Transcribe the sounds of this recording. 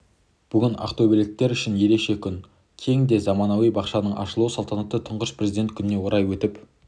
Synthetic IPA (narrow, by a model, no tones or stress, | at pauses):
b̥ʏɡʲɪnɑ̰qt̪obelɪk̚t̪ːe̞ɾʏʃɪnje̞ɾe̞kʃe̞kʲʰʏn | kʲʰe̞ŋd̪e̞zɑmɑnɑwijbɑqʃɑnəɴʔɑ̰ʃəlˠusɑlˠt̪ɑnɑt̪ːət̪ʰʊɴʁəʃpʰre̞zid̪e̞nt̪̚kʰʲʏnɪne̞woɾɑjwɵt̪ɪp